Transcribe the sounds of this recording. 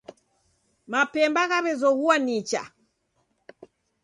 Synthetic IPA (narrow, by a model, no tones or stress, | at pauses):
mapɛmbaɣaβɛzɔɣuanit͡ʃa̰